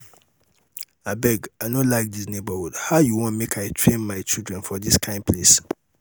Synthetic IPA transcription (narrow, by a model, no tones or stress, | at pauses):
abɛɡaɪnõlaɪk̚disnebəhudhaʊjuwɔ̃nmekʰaɪtʰɹẽnmaɪt͡ʃildɹɛ̃nfɔdiskʰãɪ̃npʰles